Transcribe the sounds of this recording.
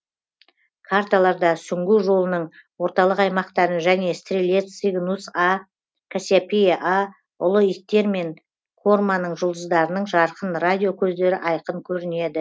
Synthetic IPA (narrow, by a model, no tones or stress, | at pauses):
kʰart̪alˠɑɾd̪ɑsʏŋɡʲɪwʒo̞lˠənəɴwo̞ɾt̪ɑlˠəqɑjmɑqt̪ɑɾənʒæne̞st̪rʲilʲe̞t̪siɡnusa | kʰasʲapʲiʔa | ʊlˠʊit̚t̪ːe̞ɾme̞ŋ | kʰo̞rmanəɴʒʊlˠd̪əzd̪ɑɾənəɴʒɑɾqənrad̪ʲijo̞kʲʰɵzd̪e̞ɾɪʔɑjqəɴkʲʰɵɾɪne̞d̪ɪ